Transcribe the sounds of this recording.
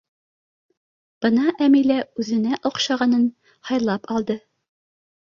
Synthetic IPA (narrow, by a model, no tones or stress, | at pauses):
b̥ɤnɑʔæmilæʉzɘ̆næʔŏqʃɑʁɑnɤn | hɑjlˠɑpɒlˠd̪ɤ